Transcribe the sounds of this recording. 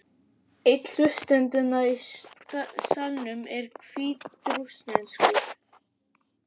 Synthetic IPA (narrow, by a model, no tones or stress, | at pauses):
ɪt̪l̥ʏst̪ɛnt̪ʏnai | salnʏmɛɾ̥kʰviːɾusnɛnskɔ